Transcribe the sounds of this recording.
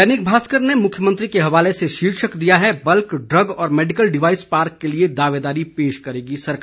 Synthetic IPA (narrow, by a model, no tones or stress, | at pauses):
ɛnɪk̚bʱaːskəɾnemʊkʰjəmə̃nt̪ɾikeɦɐʋaːleseʃiːɾʃəkd̪ijaɦɛbɐlkɖɾɐɡɔːɾmɛːɖɪkəlɖɪʋaːɪspaːɾkːelied̪aːʋeːd̪aːɾipeːʃkɐɾeːɡisɐɾka